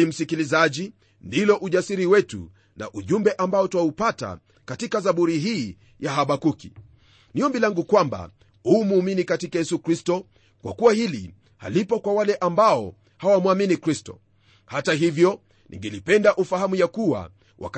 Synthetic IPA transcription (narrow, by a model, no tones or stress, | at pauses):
im̩sikilizaʄi | ndilɔʔuʄasiɾiwɛtṵ | na̰ʔuʄumbɛʔambaɔtwaupata̰ | katikazaɓuɾiɦiː | jaɦaɓakukḭ | niɔmbilaŋɡukwamba̰ | huːmuːminikatikajɛsukɾistɔ | kwʔa̰kuwahili | ha̰lipɔkwawalɛʔambaɔ | hawamuaminikɾistɔ̰ | hataɦivjɔ | nḭŋɡɛlipɛndaʔufahamujakuwa̰ | wʔa̰k